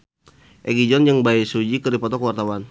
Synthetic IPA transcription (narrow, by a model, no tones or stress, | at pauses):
ʔɛɡid͡ʒɔnd͡ʒəŋbaisud͡ʒikəɾipɔt̪ɔkəwart̪awan